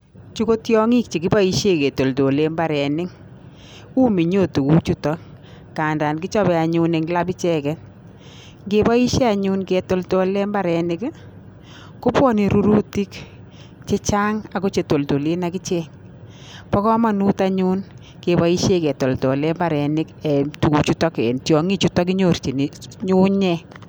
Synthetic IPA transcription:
t͡ʃu˦ko˦tjɔ˦ŋi˦k̚t͡ʃi˨kɪ˦ba˦i˦ʃe˦ke˨to˨lto˨le˦mba˨ɾɛ˨nɪ˦ŋ | u˦mi˨ɲo˦˨tu˨ku˦t͡ʃu˦tɔ˦k | kaː˨nda˨nkɪ˦t͡ʃɔ˦bɛ˨a˨ɲʊ˦ne˨ŋɡla˦pi˦t͡ʃɛ˦kɛ˨ | ŋɡe˦ba˦i˦ʃe˦a˨ɲʊ˦nke˨to˨lto˨lɛ˦mba˦˨ɾɛ˨nɪ˦k | ko˦pwɔ˦ni˨ɾu˦ɾu˦ti˦k | t͡ʃe˦t͡ʃa˦ŋa˨ko˦t͡ʃe˨to˨lto˨le˦na˦kɪ˦t͡ʃɛ˦ŋ | pɔ˦kɔ˦ma˨nu˦ta˦ɲu˦n | ke˨ba˦i˦ʃe˦kɛ˨to˨ltɔ˨lɛ˦mba˨ɾɛ˨nɪ˦kɛ˨tu˨ku˨t͡ʃu˦tɔ˦kɛ̰˨ntjɔ˨ŋi˦t͡ʃu˦tɔ˦k̬i˦ɲo˦˨ɾt͡ʃi˨ni˨ɲʊ˦ɲɛ˦

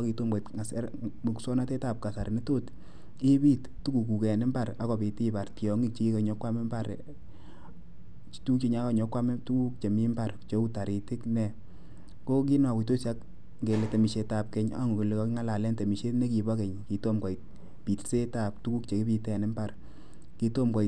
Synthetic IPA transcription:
ki˧to˦mɡɔ˨i˨tŋa˨sɛ˦ɾm˨ku˨sɔ˦na˦te˦ta˦˨p̚ka˨sa˨ɾni˦to˦t | i˦pi˦t | tu˦ku˨ku˨kɛ˨nɪ˦mba˨ɾa˨˦kɔ˨pi˨ti˦pa˨rtjɔ˨ŋi˦k̚t͡ʃi˦i˦ka˨ɲɔ˦kwa˦me˦mba˦˨ɾ | t͡ʃtu˦kt͡ʃi˧ɲa˦ka˦ɲɔ˨˦kwa˦me˦tu˦ku˦k̚t͡ʃe˨mi˦mba˨ɾt͡ʃo˦u˦ta˨ɾi˨ti˦knɛ˨ | ko˦k̬i˦na˨ki˨to˦sa˦k | ŋɡe˨le˨te˨mi˨ʃe˨˧ta˨p̚kɛ˦ɲa̰˦ŋu˨ki˨le˨kɔ˦kŋa˦la˨lɛ˦nte˨mi˨ʃe˦tne˦ki˨bɔ˦kɛ˨ɲki˨to˦mkɔ˨i˨t̚ | pi˨tse˦ta˨p̚tu˦ku˦kt͡ʃe˨ki˦pi˧tɛ˨nɪ˦mba˨r | ki˧to˦mkɔ˨i˨t

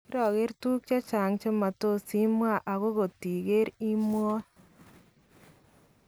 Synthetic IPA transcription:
ki˦ɾɔ˨ɣe˦ɾtu˦kt͡ʃa˦t͡ʃa˨ŋt͡ʃo˦ma˨to˦si˦mwa˦˨ʔa˨ɣo˦ɣo˨ti˨ɣe˦ɾi˦mwɔ˦

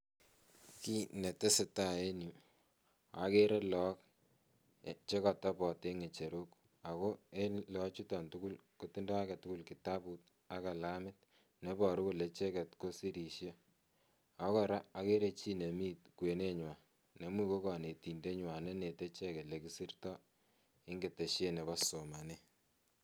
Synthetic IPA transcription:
ki˦ne˨te˦se˨ta˦˨e˦nu˨ | a˨ke˦ɾe˦lɔ˦k | t͡ʃe˦kɔ˨ta˦pɔ˨te˦ŋe˨t͡ʃe˨ɾu˦k | a˨ko˦e˦lɔ˨˦t͡ʃu˦tɔ˨ntu˦ku˦lko˦ti˦nda˦a˦kɛ˨tu˦ku˦lki˨ta˦pu˦t̚ | a˦ka˨la˦mɪ˦t̚ | ne˦bɔ˨ɾu˦ko˨le˨t͡ʃe˦kɛ˨tko˦si˦ɾi˨ʃje˦ | a˦kɔ˦ɾa˦a˨˦ke˦ɾe˦t͡ʃi˦ne˨miː˦t̚kwe˨ne˦ɲwa˨ | ne˨˦mwi˦ko˦kɔ˨ne˨ti˨nde˦ɲwa˨ne˦ne˨te˦t͡ʃe˦ke˨le˨ki˨si˦rtɔ˦ | ɪ˦ŋɡe˨te˨ʃje˦ne˨βɔ˦so˨ma˨ne˦

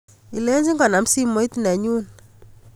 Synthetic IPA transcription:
i˨le˦ɲd͡ʒi˦ŋɡɔ˨na˨m˦si˦mo˨˦i˦tnɛ˨ɲu˦n

